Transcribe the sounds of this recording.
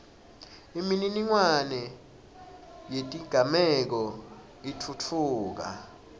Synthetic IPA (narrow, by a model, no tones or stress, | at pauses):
imininiŋwanɛ | jetʼiɡ̥ʱamɛk̬ɔ | itʰutʰuːk̬a̰